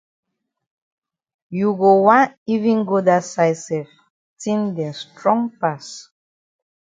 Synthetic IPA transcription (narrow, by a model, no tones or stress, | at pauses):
juɡowãnivĩnɡodasajsɛf | tʰĩndɛ̃stɹɔ̃ŋpas